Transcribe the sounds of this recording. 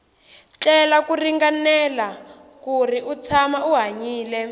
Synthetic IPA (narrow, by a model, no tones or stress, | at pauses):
t͡ɬɛlakuriŋɡanɛla | kur̤iʔut͡sʰamauɦaɲiːlɛ